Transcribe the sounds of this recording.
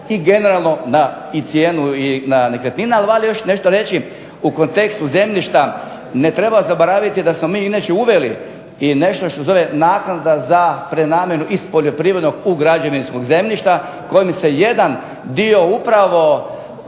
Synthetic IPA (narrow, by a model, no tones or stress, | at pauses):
iɡe̞ne̞ɾalˠno̞na | it̪sjeːnuinanekɾet̪ninaaliʋalijo̞ʃne̞ʃt̪oɾe̞t͡ʃi | uko̞nt̪e̞kst̪uze̞mʎʲiʃt̪a | ne̞t̪ɾe̞baozaboɾaːʋit̪id̪asmo̞miːinat͡ʃeuʋeli | ine̞ʃt̪oʃt̪oseo̞ʋenaːknad̪azapɾenaːmʲje̞nuʔispo̞ʎo̞pɾiːʋɾed̪no̞ɡuɡɾad͡ʒaʋinsko̞ɡze̞mʎʲiʃt̪a | ko̞jimseje̞d̪an | d̪io̞upɾaʋo̞